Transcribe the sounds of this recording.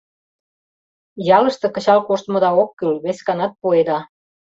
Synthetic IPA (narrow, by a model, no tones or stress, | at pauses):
jɑlə̆ʃt̪ɤ̆kə̆t͡ɕɑlkoʃt̪mɤ̆d̪ɑokːylβesʲkɑnɑt̪̚poed̪ɑ